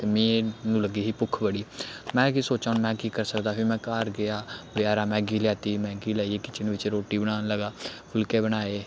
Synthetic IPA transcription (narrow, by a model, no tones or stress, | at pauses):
t̪emẽːnũːləɡiːɦiːpʊkʰbəɽiːmɛ̃ːkisoːt͡ʃaːnmɛ̃ːkiːkəɾsəkd̪aːpʰemɛ̃ːkaːɾɡɪaːbɪaːɾaːmɛ̃ːɡiːljaːt̪iːmɛ̃ːɡiːlaːieːkɪt͡ʃɪnʋɪt͡ʃɾoːʈiːbəɽaːnləɡaːpʰʊlkeːbənaːeː